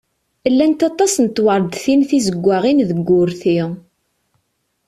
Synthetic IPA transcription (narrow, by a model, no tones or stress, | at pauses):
lːænt̪ɑt̪ˤɑsnət̪wəɾˤd̪θinθizəɡʷːaʁinðəɡʷːʊɾθi